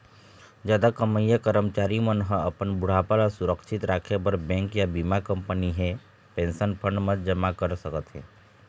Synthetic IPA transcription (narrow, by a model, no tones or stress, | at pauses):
d͡ʒjaːd̪akəməjakəɾəmt͡ʃaːɾimənɦə̃ɐpənbʊɽ̤apalasʊɾəkʃɪt̪ɾaːkʰebəɾbɛ̃ːŋkjabiːmakə̃mpəniɦɛ | pẽːnʃənpʰə̃ɳɖmə̃t̪d͡ʒəmakəɾsəkət̪ɦɛ̰̃ː